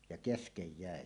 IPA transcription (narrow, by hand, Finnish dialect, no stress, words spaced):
jɑ keskej jæˑe